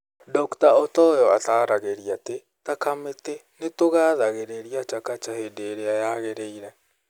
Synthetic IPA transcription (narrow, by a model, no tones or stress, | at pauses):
dɔktaɔtɔjɔataːɾaɣeɾiate | takametenetoɣaːðaɣeɾeɾiat͡ʃakat͡ʃahedeɾeajaɣeɾeiɾɛ